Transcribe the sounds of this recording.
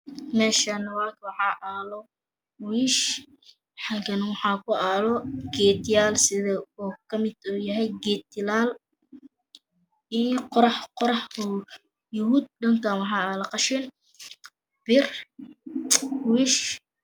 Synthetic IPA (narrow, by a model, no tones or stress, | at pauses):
mɛːʃanɐwaːkwɑħɑːʔaːlɔ | wiːʃ | ħɑɡɐnwɑħɑːkʰʊaːlɔɡɛːd̪ɪjaːlsɪðɐɔːkʰɐmɪd̪̥ɔːjɐɦɛjɡɛːd̪ɪlaːl | iːqɔɾɑħqɔɾɑħʊ | jʊɦʊd̪̚ɖɐŋkʰanwɑħɑːaːlɐqɑʃɪn | b̥ɪr | wiːʃ